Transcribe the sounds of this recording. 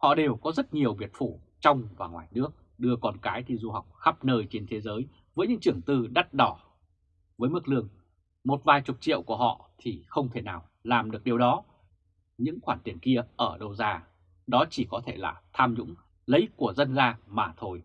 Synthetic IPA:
hɔ̰˧˨ɗe˨˩wkɔ˨˦zə˦˥t̚ɲi˨˩əwvi˨˩ət̚fu˧˩t͡ɕɔ˧wŋ͡mvaː˨˩ŋwa̰ː˨˩jnɨ˦˥ək̚ | ɗɨ˧əkɔ˨˩nkaː˨˦jt̪ʰi˧zu˧ha˨˩wk͡p̚xa˦˥p̚nəː˧˩jt͡ɕe˧nt̪ʰe˨˦zəː˨˦j | vəː˨˦jɲɨ̰˧˥ŋt͡ɕɨ˧˩əŋt̪ɨ˧ɗa˦˥t̚ɗɔ˧˩ | vəː˨˦jmɨ˦˥k̚lɨ˧əŋ | mo˨˩t̚vaː˨˩jt͡ɕʊ˨˩t̚t͡ɕḭ˧˨əwku˧˩əhɔ̰˧˨t̪ʰi˨˩xə˧wŋ͡mt̪ʰe˧˩naː˨˩w | laː˨˩mɗɨ˨˩ək̚ɗi˨˩əwɗɔ˨˦ | ɲɨ̰˧˥ŋxwaː˧˩nt̪i˨˩ənki˧əʔəː˧˩ɗə˧wzaː˧ | ɗɔ˨˦t͡ɕi˧˩kɔ˨˦t̪ʰe˧˩la̰ː˨˩t̪ʰaː˧mɲʊ̰˧˥ŋ͡m | lə˨˦jku˧˩əzə˧nzaː˧maː˨˩t̪ʰo˧j

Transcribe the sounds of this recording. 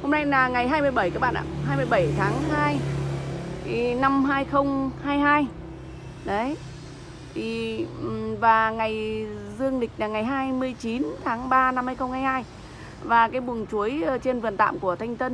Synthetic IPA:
ho˧mna˧jnaː˨˩ŋa˨˩jɦaː˧jmɨ˧əjɓə˧˩jkaː˦˥k̚ɓa̰ː˧˨nʔa̰ː˧˨haː˧jmɨ˧əjɓə˧˩jt̪ʰaː˨˦ŋɦaː˧j | i˨˩na˧mɦaː˧jxə˧wŋ͡mhaː˧jhaː˧j | ɗə˨˦j | t̪ʰi˨˩˨ | vaː˨˩ŋa˨˩jzɨ˧əŋɗï˨˩k̟̚naː˨˩ŋa˨˩jɦaː˧jmɨ˧əjt͡ɕi˨˦nt̪ʰaː˨˦ŋɓaː˧na˧mhaː˧jxə˧wŋ͡mhaː˧jhaː˧j | vaː˨˩kaː˨˦jɓu˨˩əŋt͡ɕu˨˦əjt͡ɕe˧nvɨ˨˩ənt̪a̰ː˧˨mku˧˩ət̪ʰa˧jŋ̟t̪ə˧n

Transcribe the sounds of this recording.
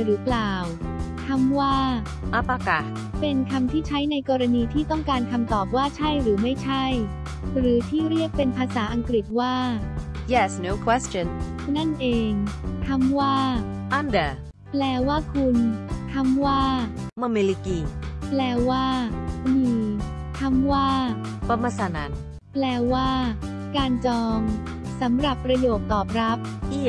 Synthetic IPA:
ɾɯː˩˦plaː˨˩wkʰa˧˥˩mwaː˥˩ | ʔa˧˩pa˧ka˨˧˩ | pe˧nkʰa˧mt̪ʰiː˥˩t͡ɕʰa˦˥jna˧jkɔː˧ɾa˧niː˧t̪ʰiː˥˩t̪ɔ˥˩ŋkaː˧nkʰa˧mt̪ɔː˨˩p̚waː˥˩t͡ɕʰa˥˩jɾɯː˩˦ma˥˩jt͡ɕʰa˥˩j | ɾɯː˩˦t̪ʰiː˥˩ɾi˥˩ək̚pe˧npʰaː˧saː˩˦ʔa˧ŋkɾi˨˩t̪̚waː˥˩ | jɛ˦˧˩sno˧˦kʰwe˦˥st͡ɕɔ˧n | na˥˩nʔeː˧ŋkʰa˥˩mwaː˥˩ | ʔa˧nda˨˩ | plɛː˧waː˥˩kʰu˧nk̪ʰa˧˥˩mwaː˥˩ | ma˧me˧li˧kiː˧plɛː˧waː˥˩miː˧ | k̪ʰa˥˩mwaː˥˩ | pa˧ma˧sa˨˦na˨˦˥n | plɛː˧waː˥˩ | kaː˧nt͡ɕɔː˧ŋ | sa˩˦mɾa˨˩pːɾa˧joː˨˩k̚t̪ɔː˨˩p̚ɾa˦˥p̚ʔi˦˩

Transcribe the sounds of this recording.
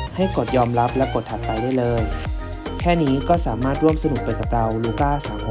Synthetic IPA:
ha˥˩jko˨˩t̪̚jɔː˧mɾa˦˥p̚lɛː˦˥wko˨˩t̪ʰha˨˩t̪̚pa˧jdaː˥˩˨jlɤː˧j | kʰɛː˥˩niː˦˥kɔː˥˩saː˩˦maː˥˩t̪̚ɾu˥˩əmsa˧nu˨˩k̚pa˧jka˨˩p̚ɾa˧wluː˧˩kaː˥˩saː˨˦mʰ˧

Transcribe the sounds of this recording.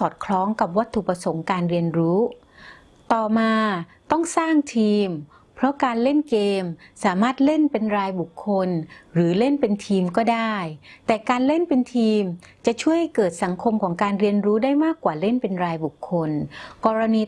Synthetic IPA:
ɔː˨˩t̪̚kʰlɔː˦˥ŋka˨˩p̚wa˦˥t̪ʰːu˨˩pɾa˧so˩˦ŋkaː˧nɾi˧ənɾuː˦˥ | t̪ɔː˨˩maː˧ | t̪ɔ˥˩ŋsaː˥˩ŋt̪ʰiː˧m | pʰɾɔ˦˥kaː˧nle˥˩nkeː˧msaː˩˦maː˥˩t̪̚le˥˩npe˧nɾaː˧jbu˨˩kʰːo˧nɾɯː˩˦le˥˩npe˧nt̪ʰiː˧mkɔː˥˩daː˥˩jt̪ɛː˨˩kaː˧nle˥˩npe˧nt̪ʰiː˧mt͡ɕa˨˩ʔt͡ɕʰu˥˩əjkɤː˨˩t̪̚sa˩˦ŋkʰo˧mkʰɔː˩˦ŋkaː˧nɾi˧ənɾuː˦˥daː˥˩jmaː˥˩kwaː˨˩le˥˩npe˧nɾaː˧jbu˨˩kʰːo˧nkɔː˧ɾa˧niː˧

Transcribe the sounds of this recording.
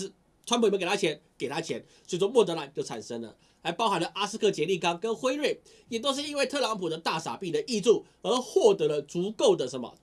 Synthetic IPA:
ʂ̩˥˩ | ʈ͡ʂʰwa˥npʰu˨˩˨ke˨˩t̪a˥t͡ɕʰjɛ˧˥nke˨˩ɪt̪ʰa˥t͡ɕʰjɛ˧˥n | t͡ɕo˥˧t͡sɔ˥˧mwɔ˥˩t̪ɤ˧˥la˨˩˦nt͡ɕjo˥˩ʊa̰˨˩nʂə˥ŋlə̰˨ | la˧˥ɪpɑ˥ʊxa˧˥nlə˨ʔa˥s̩˧˥kʰɤ˥˩t͡ɕjɛ˧˥li˥˩kɑ˥ŋkə˦˥nxwe˥ɪlwe˥˩ɪ | jɛ˨˩t̪o˥ʊʂ̬̩˥˩i˦˥nwe˥˧ɪt̪ʰɤ˥˧lɑ˧˥ŋpʰu˨˩d̪ə˦t̪a˥˩sa̰˨˩pi˥˩d̪ə˨ʔi˥˧ʈ͡ʂu˥˩ | ə˧˥xwɔ˥˩t̪ɤ˧˥lə˧t͡su˧˥ko˥˩ʊd̪ə˩ʂə˧˥nmə̰˨

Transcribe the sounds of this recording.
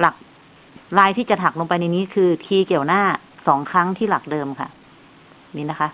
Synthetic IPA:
la˨˩k̚ | laː˧jt̪ʰiː˥˩t͡ɕa˨˩t̪ʰa˨˩k̚lo˧ŋp̬a˧jna˧jniː˦˥kʰɯː˧kʰiː˧ki˨˩əwnaː˥˩ | sɔː˩˦ŋkʰɾa˦˥ŋt̪ʰiː˥˩la˨˩k̚dɤː˧mkʰa̰˥˩ | miː˧˥na˦˥kʰa˦˥ʔ

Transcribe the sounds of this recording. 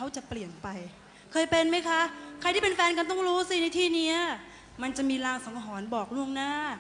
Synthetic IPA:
kʰa˦˥wt͡ɕa˨˩pli˨˩ənpa˧j | kʰɤː˧jpe˧nma˦˥jkʰa˦˥kʰɾa˧j̪ʰiː˥˩e˧nfɛː˧nka˧nt̪ɔ˥˩ŋɾuː˦˥siː˥˩na˧jt̪ʰiː˥˩ni˦˥ɐ | ma˧nt͡ɕa˨˩ʔmiː˧laː˧ŋsɔ˩˦ŋa˧ɦɔː˩˦nbɔː˨˩k̚lu˥˩əŋnaː˥˩

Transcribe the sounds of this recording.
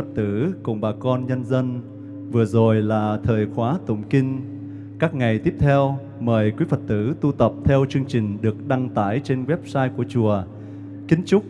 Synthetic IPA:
ə˨˩t̚t̪ɨ˧˥kʊ̰˨˩ŋ͡mɓaː˨˩kɔ˧nɲə˧nzə˧n | vɨ˨˩əzo˨˩jlaː˨˩t̪ʰəː˨˩jxwaː˨˦t̪ʊ̰˧˩ŋ͡mki˧ŋ | kaː˦˥k̚ŋa˨˩jt̪i˦˥əp̚t̪ʰɛ˧w | məː˨˩jkwi˨˦əfə˨˩t̚t̪ɨ̰˧˥t̪u˧t̪ə˨˩p̚t̪ʰɛ˧wt͡ɕɨ˧əŋt͡ɕï˨˩ŋ̟ɗɨ˨˩ək̚ɗa˧ŋt̪aː˧˩jt͡ɕe˧nɣwɛ˦˥p̚saː˧jku˧˩ət͡ɕu˨˩ə | ki˨˦nt͡ɕʊ˦˥k͡p̚

